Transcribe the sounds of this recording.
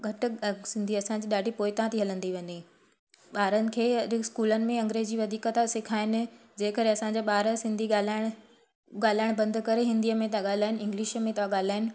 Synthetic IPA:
ɡʱɐʈ̆sɪ̃nd̪ʱiɐsãɲd͡ʑiːɗaːɖʱipoːɪt̪ɐʋ̤ãt̪ʰiɦɐlə̃nd̪iʋɐ̃ɲi | ɓaːɾənɪ̆kʰeːɐskuːlənɪ̆mẽɐ̃ŋɡɾeːd͡ʑiːʋɐd̪ʱiːkət̪asɪkʰaːɦɪnɪ̆d͡ʑeːkəɾeɐsãɲd͡ʑaːɓaːɾəsɪ̃nd̪ʱiɠaːlaːɪɽ̃ | ɡaːl̤aːɪɽ̃bɐ̃nd̪kɐɾeɦɪ̃nd̪ijəmẽt̪̬aɠaːl̤aːɪnɪɪ̃ŋɡlɪʃmẽt̪ɐʋaɠaːl̤aːɪnɪ̆

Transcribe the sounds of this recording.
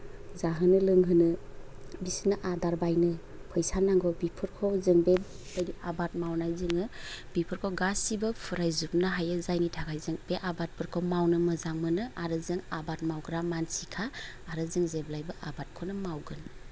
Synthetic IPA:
zaɦɯnɯlɯŋɦɯnɯ | bisnɯʔadaɾbajnɯ | pʰɯjsanaŋɡɔbipʰɯɾkʰɔzɯŋbe | ajdiʔabat̚mawnajzɯŋɯb̥ipʰɯɾkʰɔɡasibɯpʰuɾajzup̚nɯɦajɯzajnitʰaɡʰajzɯŋbeʔabat̚pʰɯɾkʰɔmawnɯmɯzaŋmɯnɯaɾɯzɯŋabat̚mawɡɾamansikʰaː | ɾɯzɯŋzeblajbɯʔabat̚kʰɔnɯmawɡɯn

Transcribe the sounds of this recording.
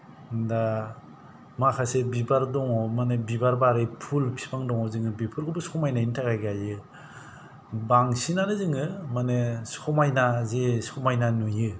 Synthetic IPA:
nda | makʰasebibaɾdɔŋɔmanebibaɾbaɾɯjpʰulpʰi̥pʰaŋdɔŋɔzɯŋɯbipʰɯɾɡɯbɯsɔmajnaintʰakajɡajɯ | baŋsinanɯzɯŋɯmanesɔmajnazesɔmajnanujɯ

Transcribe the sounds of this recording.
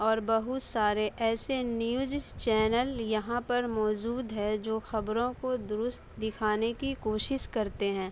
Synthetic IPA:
ɔːɾbɐɦʊt̪saːɾeʔɛːsenjʊːd͡ʒt͡ʃɛːnəljɐɦãpɐɾmɔːd͡ʒuːd̪ɦɛd͡ʒoːxɐbɾõkod̪ʊɾʊst̪d̪ɪkʰaːnekikoːʃɪʃkɐɾt̪eɦɛ̃ː

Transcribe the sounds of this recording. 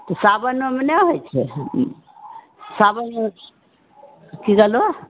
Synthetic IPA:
t̪ɔsabənemeneɦojt͡ʃʰɛ | sabəne | kiɡelo

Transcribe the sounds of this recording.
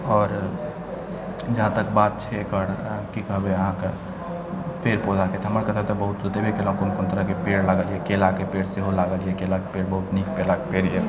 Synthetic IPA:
ɔːɾ | d͡ʒəɦãt̪əkbaːt̪̚t͡ʃʰekəɽkikəɦbeəɦãke | peːɾpod͡ʒaket̪ʰəməɾkət̪at̪ɔbəɦut̪d̪ət̪ebʱikelãkoːnkoːnt̪əɾəkepeːɽlaɡəliekelakepeːɽseɦolaɡəlijekelakepeːɽbəɦʊt̪niːk̚pelakepeɾie

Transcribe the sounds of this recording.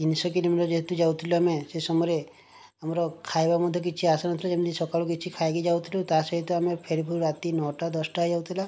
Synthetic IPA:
t̪insɔkilomiʈɾɔd͡ʒeɦet̪ud͡ʒawt̪ʰiluamesesɔmɔɾe | amɾɔkʰajbamɔd̪ʱjɔk̬it͡ʃʰiasanɔt̪ʰilad͡ʒemd̪isɔkaɭukit͡ʃʰikʰajɡed͡ʒawt̪ʰilut̪asɔɦit̪ɔamepʰeɾibʱuɾɾat̪inɔʈad̪ɔsʈaɦd͡ʒawt̪ʰila

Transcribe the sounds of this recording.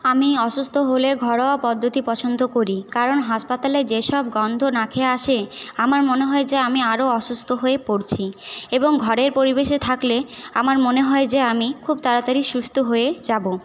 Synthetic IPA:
amiɔʃust̪ʰoɦoleɡʱɔɾoapɔd̪ʱːot̪ipɔt͡ɕʰond̪okoɾikaɾonɦaʃpat̪aled͡ʑeʃɔbɡɔnd̪ʱonakʰeaʃeamaɾmoneɦɔed͡ʑeamiaɾoɔʃust̪ʰoɦoepoɾt͡ɕʰieboŋɡʱɔɾeɾpoɾibeʃet̪ʰakleamaɾmoneɦɔed͡ʑeamikʰubt̪aɾat̪aɾiʃust̪ʰoɦoed͡ʑabo

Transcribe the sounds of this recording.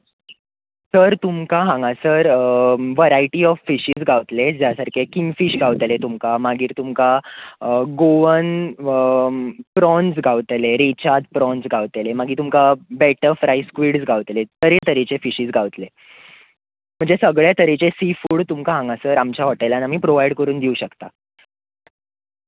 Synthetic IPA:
səɾt̪umkaɦãŋɡasəɾʋəɾaiʈiɔfːiɕid͡zɡʱaʋt̪led͡ʑjasaɾkʰekiŋɡfiɕɡaʋt̪let̪umkamaɡiːɾt̪umka | ɡoʋən | pɾɔnsɡʱaʋt̪leɾet͡ɕat̪̚pɾɔnsɡʱaʋt̪elemaɡʱiːt̪umkabɛʈəfɾaiskʋiːɽd͡zɡʱaʋt̪let̪əɾet̪əɾet͡ɕefiɕiːd͡zɡʱaʋt̪le | m̤əɳd͡zesəɡɭjat̪əɾet͡ɕesifuːɽt̪umkaɦãŋɡasəɾamt͡ɕaʋoʈajlanam̤iːpɾoʋajɽkəɾuːnd̪iuɕəkt̪a

